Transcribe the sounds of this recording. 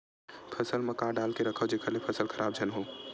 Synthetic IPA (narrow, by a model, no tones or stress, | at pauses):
pʰəsəlməkaːɖaːlkeɾəkʰəd͡ʒekʰəlepʰəsəlkʰəɾʔaːb̚d͡ʒʱənɦoː